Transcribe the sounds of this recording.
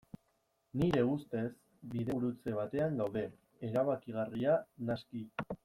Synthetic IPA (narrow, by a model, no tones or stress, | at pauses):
niɾe̞ust̪e̞s | biðeɾut͡se̞β̞at̪e̞aŋɡawðe̞ | eɾaβakiɣ̞arianaski